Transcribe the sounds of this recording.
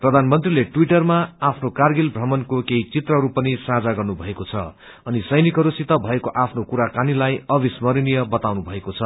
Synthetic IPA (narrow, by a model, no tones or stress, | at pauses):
prʌd̪ʱanmʌnt̪rileʈwiʈʌrmaːpʰnokarɡilbʱrʌmʌnkokeɦit͡sit̪rʌɦɾupʌnisãd͡zaɡʌrnubʱʌekot͡sʰʌ̰ | ʌnisʌjnikɦʌɾusit̪ʌbʱʌekoʔapʰnokuɾakanilajʌbismʌɾinijʌbʌt̪awnubʱʌekot͡sʰʌ